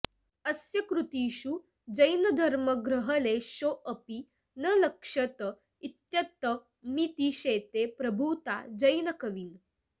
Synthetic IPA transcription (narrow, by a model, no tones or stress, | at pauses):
ɐsjɐkɾut̪iːɕu | d͡ʑəjnɐd̪ʱɐɾməɡɾəɦəleɕoʔəpi | nələkʂɐt̪ə | it̪jɐt̪ːə | mit̪iɕeːt̪epɾɐbʱut̪a̰d͡ʑəjnɐkɐʋiːl